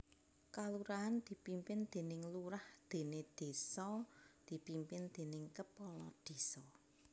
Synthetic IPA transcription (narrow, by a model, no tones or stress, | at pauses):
kaluɾaand̪̥i̤pimpɪnd̪̥e̤nɪŋluɾahd̪̥e̤ned̪̥e̤sɔd̪̥i̤pimpɪnd̪̥e̤nɪŋkəpɔlɔ̰d̪̥e̤sɔ